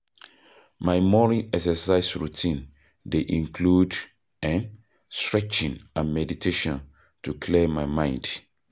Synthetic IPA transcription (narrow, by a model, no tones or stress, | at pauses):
maɪmɔɹiʔɛksɛsaɪsɹutʰĩn | deʔĩŋkʰlud | ɛ̃n | stɹɛt͡ʃĩnanmɛditʰeʃɔ̃n | tukʰlemaɪmãɪ̃nd